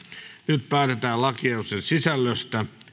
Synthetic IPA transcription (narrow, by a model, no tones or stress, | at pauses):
nyt̪̚pæːt̪et̪æːlɑkiɑusensisælːøst̪æ